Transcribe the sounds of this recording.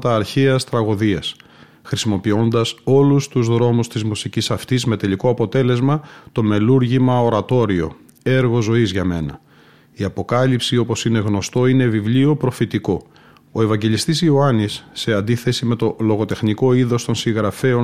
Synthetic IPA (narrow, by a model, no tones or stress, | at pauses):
t̪ɐːɾçeɐst̪ɾɐɣoðiɐs | xɾisimo̞pio̞nd̪ɐso̞lust̪uzðɾo̞must̪izmusicisɐft̪izme̞t̪e̞likoɐpo̞t̪e̞le̞zmɐt̪o̞me̞luɾʝimɐo̞ɾɐt̪o̞ɾio̞̰ | e̞ɾɣo̞zo̞izʝɐme̞nɐ | iɐpo̞kɐlipsio̞po̞sine̞ɣno̞st̪o̞ine̞vivlio̞pɾo̞fit̪iko̞ | oe̞vɐɲɟe̞list̪isioɐnisːe̞ɐnd̪iθe̞sime̞t̪o̞lo̞ɣo̞t̪e̞xniko̞iðo̞st̪o̞nsiŋɣɾɐfe̞o̞